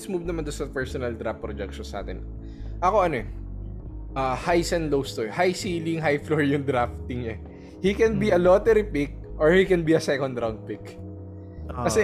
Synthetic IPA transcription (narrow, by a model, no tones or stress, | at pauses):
smuːvnɐmand̪ʊnsɐpɛɹsɔnɐld̪ɾaft̪̚pɾɔd͡ʒɛk̚ʃɔnsa̰ːt̪ɛn | ʔɐko̞ʔɐnoɛ | ʔahajsɐnlowst̪oɛhajsiːlɪŋɦajfloɹjʊŋd̪ɾaft̪ɪŋɲɛ | hikɛnbiʔɐlot̪ɛɾɪpɪk̚ʔoɹhikɛnbiɐsɛkɔnd̪ɾawnd̪̚pɪk | kɐsɛ